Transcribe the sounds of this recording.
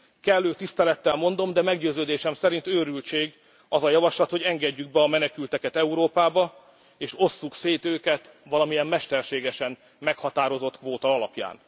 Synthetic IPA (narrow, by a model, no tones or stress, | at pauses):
kɛlːøːt̪ist̪ɛlɛt̪ːɛlmo̞nd̪o̞md̪ɛmɛɡɟøːzøːd̪eːʃɛmsɛɾint̪øːɾylt͡ʃeːɡ | ɒzɒjɒvɒʃlɒt̪ho̞ɟɛŋɡɛɟːyɡ̚bɛɒmɛnɛkylt̪ɛkɛt̪ɛuɾoːpaːbɒ | eːʃo̞sːukseːt̪øːkɛt̪ | ʋɒlɒmijɛmmɛʃt̪ɛrʃeːɡɛʃɛn | mɛkhɒt̪aːɾo̞zo̞t̪kʋoːt̪ɒɒlɒpja̰ːn